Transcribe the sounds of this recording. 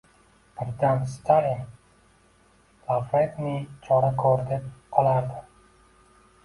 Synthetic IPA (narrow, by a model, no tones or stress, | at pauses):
b̥ɪɾd̪anst̪ʰaliŋ | lafɾet̪nɪt͡ʃʰɒɾakʰɒɾd̪ep̚qʰɒlˠaɾd̪ɪ